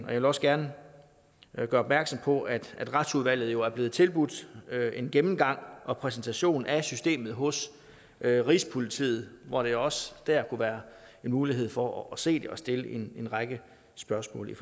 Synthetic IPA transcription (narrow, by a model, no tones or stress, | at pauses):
ɒ̽jʋelɒ̽səɡ̥æɐnə | ɡ̥ɶːɐɒb̥̚mæɐɡ̥sɒ̽mpʰɒ̽ʔæd̥æd̥ʁad̥suðˠʋæl̰ð̩ˠjo̝æɐb̥le̝ːð̞̩ˠt͡sʰe̝lb̥ud̥e̝nɡ̥emm̩ɡ̥ɑ̈ŋ̰ʔɒ̽pʰʁɛs̬n̩t͡sʰæɕo̝̰ːnæsysd̥e̝̰ːmð̞̩ˠɦɔ̽s | ʔʁiːspʰo̝lit͡sʰḭːð̞̩ˠʋɒɾ̥e̝ɒ̽səd̥æɐ̰kʰuʋæːɐe̝nmuːliɦe̝ð̰ˠfɒːse̝̰ːd̥eʔɒ̽sd̥e̝ləʔe̝ne̝nʁɑ̈ɡ̥ə | sb̥ɶɐsmɔ̰̽ːlif